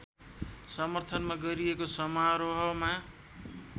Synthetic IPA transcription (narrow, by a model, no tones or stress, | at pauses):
sʌmʌrt̪ʰʌnmaɡʌɾiekosʌmaɾoɦʌma